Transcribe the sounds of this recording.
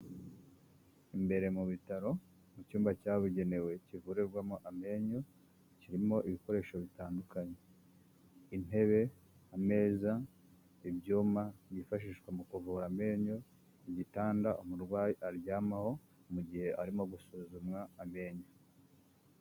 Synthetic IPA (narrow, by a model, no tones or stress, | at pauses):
imbe̞ɾe̞muβitaɾo̞ | mucuːmbacaːβuɟe̞ne̞we̞civuɾeɾɡwamoʔame̞ːɲo̞ | ciɾimo̞ʔiβiko̞ɾe̞ːʃoβitaːndukaɲe̞ | in̥e̞βe̞ | ame̞ːza | ibɟuːmajifaʃ̬iːʃwemukuvuːɾame̞ːɲo̞ | iɟitaːndaʔomuɾɡwaːjiʔaɾjaːmaho̞ | muɟihe̞ʔaɾimo̞ɡusuzumwaːme̞ːɲo